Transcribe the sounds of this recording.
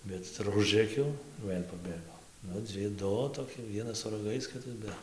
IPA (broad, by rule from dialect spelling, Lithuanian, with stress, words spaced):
ˈbʲɛt ɪr ˈʊʒrɘkʲɛʊ ˈʋɘlʲ pɐˈbʲeːɡoː ˈnʊ ˈd͡zʲɪ ˈdʊ toːˈkʲɪ ˈʋʲiɛnɐs sʊ rɐˈɡɐɪs ˈkʲɪtɐs ˈbʲɛ